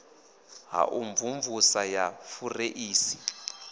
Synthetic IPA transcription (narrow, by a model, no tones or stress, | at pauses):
ɦa̰ʔuɱvuɱvusajafureʔiːsi̥